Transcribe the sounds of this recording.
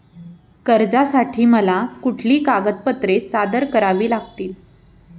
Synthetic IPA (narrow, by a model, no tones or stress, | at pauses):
kəɾd͡zasaʈʰiːməlakuʈʰliːkaɡət̪̚pət̪ɾesad̪əɾkəɾaʋiːlaɡt̪iːl